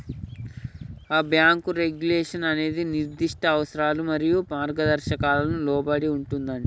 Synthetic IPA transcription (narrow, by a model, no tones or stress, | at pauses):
aːbjaːŋkuɾe̞ɡjuleːʂɐnɐne̞ːd̪iniɾd̪iʂʈɐːʋɐsɐɾaːlumɐɾijumaːɾɡɐd̪ɐɾʃɐkaːlɐnulɔːbɐɽiuɳʈund̪ɐɳɖi